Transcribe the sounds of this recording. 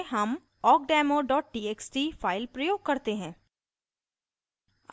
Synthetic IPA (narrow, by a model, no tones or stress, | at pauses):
ɦɐm | ɔːk̚ɖɛːmoɖɔːʈ̚ɖiːeːksʈifaːɪlpɾɐjoːɡ̚kɐɾt̪eɦɛ̃ː